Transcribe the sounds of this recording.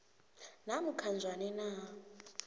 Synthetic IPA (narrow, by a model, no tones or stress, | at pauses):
n̤amukʰand͡zʱwanɛnaː